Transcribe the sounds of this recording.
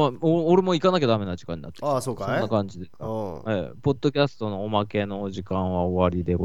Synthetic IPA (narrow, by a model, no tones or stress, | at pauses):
aooɾe̞mo̞ikanak̬ʲad̪ame̞naʑi̥kãɲ̟ːina̰t̪ːeasoːkasonːakãɲd͡ʑid̪e̞skaepo̞d̪̥ːo̞kʲasɨ̥t̪o̞no̞ːmake̞no̞ʑikãɰ̃βaoβaɾʲid̪e̞ɡo